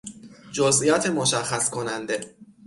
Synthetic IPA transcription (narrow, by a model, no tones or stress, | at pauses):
d͡ʒozʔijɒːt̪ʰemoʃæxæskʰonænd̪e̞